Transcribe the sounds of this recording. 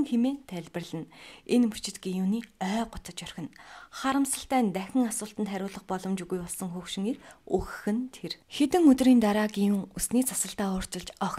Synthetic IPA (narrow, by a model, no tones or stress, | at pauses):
ŋxemeːnt̪ʰæɮʲpɘ̆rɮɘ̆nenput͡ɕɪ̆t̪ɡijuːniːœːɢʊt͡sə̆t͡ɕœr̥xʲɪ̆nχaɾə̆msə̆ɬt̪æːnt̪æxʲɪ̆ŋasʊːɬt̪ə̆nt̪χæɾʲʊːɮə̆χpɔɮɞ̆mt͡ɕuɣujpɔɮsɞ̆ŋxuxʃɪ̆ŋeːrɵxɘ̥̆xɘ̆nt̪ʰerxet̪ɘ̆ŋɵt̪riːnt̪aɾaːɡijuːŋusniːt͡sʰḁsə̆ɬt̪aːʊːr̥t͡ɕɪ̆ɮt͡ɕɔx